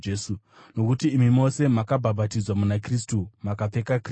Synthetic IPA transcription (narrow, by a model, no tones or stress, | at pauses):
esu | no̞kutiːmimo̞se̞makabʱabʱatid͡zwamunakristumakap͡fe̞kakr